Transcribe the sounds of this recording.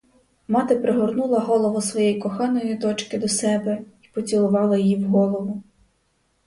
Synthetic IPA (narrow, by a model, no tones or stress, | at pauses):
mɑt̪ɪpɾeɦɔrnulˠɐɦɔlˠɔʋɔsʋɔjɛjkɔxɑnɔjid̪ɔt͡ʃkɪd̪ɔsɛbɛi̥pɔt͡sʲilˠʊʋɑlˠɐjjiwɦɔlˠɔʋʊ